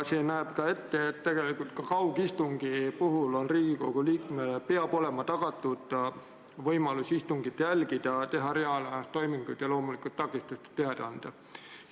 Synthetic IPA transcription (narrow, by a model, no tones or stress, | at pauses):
seːnæeb̥kɑe̞t̪ːeet̪ːt̪ːe̞ɡ̥e̞likult̪̚kɑkɑwɡ̥ist̪uŋɡ̥ipuɦulo̞nriːɡ̥iko̞ɡ̥uliːkmelepeɑb̥o̞le̞mɑt̪ɑɡ̥ɑt̪ːˑud̪̥ | vɤjmɑlusist̪uŋɡ̥id̪jælɡ̥id̪̥ɑt̪e̞ɦɑɾe̞ɑlɑnɑst̪o̞jmiŋɡ̥ujd̪̥jɑlo̞ːmulikːˑult̪ːɑkːˑist̪ust̪e̥t̪eɑd̪eɑnd̪̥ɑ